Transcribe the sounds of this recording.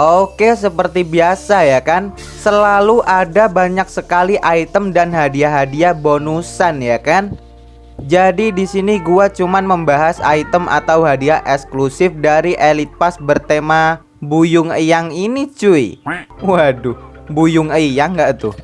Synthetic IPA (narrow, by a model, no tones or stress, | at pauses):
ʔokesəpərt̪ibiasajakan | səlaluʔadabaɲak̚səkaliʔait̪əmdanɦadiaɦadiabonusanjakan | d͡ʒadidisiniɡuat͡ʃumanməmbaɦasa̰it̪əmʔa̰t̪awɦadiaʔɛksklusɪfdaɾiʔelit̪̚pasbərt̪ema | bujʊŋəjaŋinit͡ʃuiwadubujʊŋəjaŋɡaʔt̪u